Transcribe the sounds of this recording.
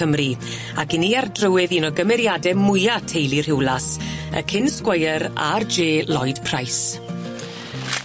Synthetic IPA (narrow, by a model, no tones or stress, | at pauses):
əmri | aɡɪniardrəwɨðiːnɔɡəmɛɾjadɛmʊjatʰejlˠir̥hɪwlˠasə̰kʰɪnskwəjəɾa̰rd͡ʒeːlˠɔjd̥pʰrajs